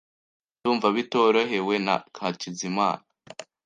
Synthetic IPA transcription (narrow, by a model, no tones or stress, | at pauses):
tuːɱvaβito̞ɾoɦe̞we̞na̰kʰacizima̰ːna